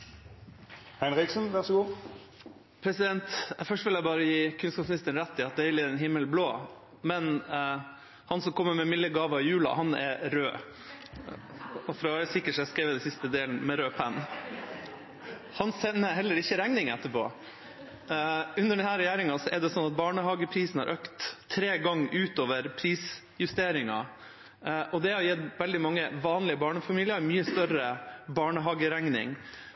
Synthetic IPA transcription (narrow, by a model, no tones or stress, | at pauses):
hɛnʁɪksənʋæʁsɔɡuː | pʰɾɛsɪd̪ɛnt̪æfœʂʈʋɪljæɪbɑːɾəjiːkʰʉnskɑːpsmnɪst̪əɳ̩ɾæt̪ːɪɑt̪̚d̪ɛɪlɪɛnɦɪmːəlbloː | mɛn | hɑnsɔmkʰɔmːəmɛmɪlːəɡɑːʋəjʉːlɑ̰hɑnɛ̰ɾøː | ɔfɾɑʋɾsɪkːəʂæskɾeːʋəd̪ɛnsɪst̪əd̪eːln̩mɛɾøːpʰɛn | hɑnsɛnːəhɛlːəɾɪçːəɾæŋnɪŋɛt̪ːəpɔ̰ | ʉnːəɖɛnɦæːɾɛjæːɾɪŋɑsɔʔɛɖɛsɔnːɑt̪̚bɑːɳəɦɑɡəpʰɾiːsn̩hɑ̰ɾʔøːkt̪ʰːɾeːɡɑŋːʔʉːt̪oːʋəɾpʰɾiːs | jʉst̪eːɾɪŋɑ̰ | ʔɔd̪ɛhɑjɛt̪ʋɛld̪ɪmɑŋːəʋɑːnlɪəbɑːɳəfɑmiːlɪəɾmyːəst̪œɾəbɑːɳəɦɑːɡəɾæŋnɪ̰ŋ